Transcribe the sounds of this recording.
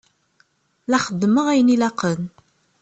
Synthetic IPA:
læχəd̪ːməʁæjənilæqən

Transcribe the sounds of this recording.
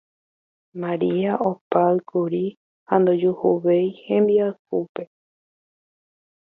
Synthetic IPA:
mãɾiaʔopaɨkʰuɾi | hand̪od͡ʒuhuʋejhẽmbiaɨhupe̞

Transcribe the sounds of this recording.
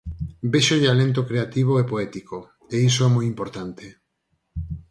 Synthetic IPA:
beʃoðealent̪̬okɾeat̪iβ̞oepoɛt̪iko | eisoɛmojimpoɾt̪ant̪e

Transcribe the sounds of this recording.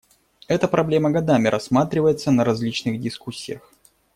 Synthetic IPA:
ɛt̪əpɾɐblʲe̞məɡɐd̪amʲɪɾʔɐsːmat̪ɾʲɪvəjɪt̪sənəɾɐzʲlʲit͡ɕnɨxdʲɪskusʲːɪjəx

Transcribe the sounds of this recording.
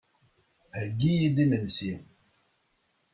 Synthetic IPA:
həɡijid̪imənsim

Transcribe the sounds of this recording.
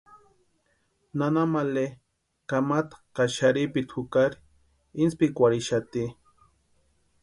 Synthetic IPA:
nanamale | kamat̪ḁkaʃaɾipit̪ʰukaɾi | inspikʷaɾiʃat̪i

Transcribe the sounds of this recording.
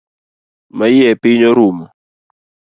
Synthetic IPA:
maiɛpiɲɔɾumɔ

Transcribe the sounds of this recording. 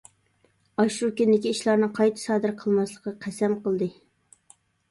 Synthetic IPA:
ɑʃɾukʲind̪ɪkʲiiʃlˠɑɾnɨŋqʰɑjt̪ʰɨ̥sɑːd̪ɨɾqʰəlˠmɑslˠəqːɑqʰæsɛmqʰəlˠd̪ɨ

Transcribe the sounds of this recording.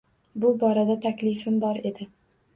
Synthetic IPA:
bʊbɒɾad̪at̪ʰakʲlɪfɪmbɒɾe̞d̪ɪ

